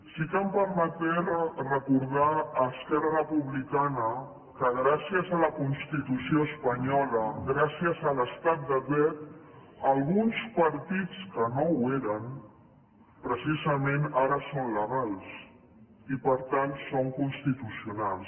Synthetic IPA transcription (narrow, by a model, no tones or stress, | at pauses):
sikəmpəɾmət̪ɛɾrəkuɾð̞aːskɛrərəpuβlikanə | kəɣɾasiəzələkunst̪it̪usioəspəɲɔləɣɾasiəzələst̪at̪̚d̪əβɛt̪ | əlˠɣunspəɾt̪it͡skənoweɾən | pɾəsizəmẽnaɾəsonləɣalˠs | ipəɾt̪ansoŋkunst̪it̪usiunalˠs